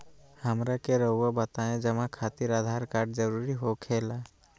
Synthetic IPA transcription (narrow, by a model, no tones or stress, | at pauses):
həmɾakeɾəːabət̪aːẽd͡ʒəmãkʰaːt̪iɾaːd̪ʱaːɾkaːɾɖd͡ʒəɾuɾiɦokʰeːla